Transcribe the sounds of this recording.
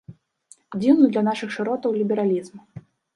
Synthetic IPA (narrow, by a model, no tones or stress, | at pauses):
d͡zʲiwnud̪lʲɐnaʂɨxʂɨɾɔt̪ɐwlʲibʲɛɾalʲizm